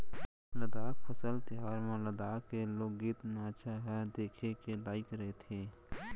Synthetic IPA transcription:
ləd̪aːk̚pʰəsəlt̪ɪɦaːɾmẽləd̪aːkkːeloːɡːit̪nt͡ʃʰaɦɛd̪eːkʰekelaːɪkɾɐɦet̪ʰeː

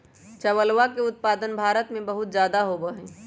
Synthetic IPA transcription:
t͡ʃɐwəlwakeʊt̪̚paːd̪ənbʱaːɾət̪mẽbɐɦʊt̪zjaːd̪aɦoɡəɦẽː

